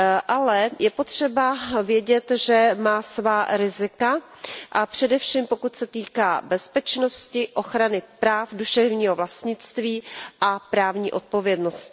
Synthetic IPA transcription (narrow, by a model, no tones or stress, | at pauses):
ʔalɛjɛpo̞t̪r̝̥ɛbavjɛɟɛt̪ʒɛmaːsvaːɾɪzɪka | ʔapr̝̥ɛdɛfʃiːmpo̞kut̪sɛt̪iːkaːbɛspɛt͡ʃno̞scɪʔo̞xɾanɪpɾaːfduʃɛvɲiːɦo̞vlast̪ɲɪt͡st̪viːʔapɾaːvɲiːʔo̞t̪̚po̞vjɛdno̞st̪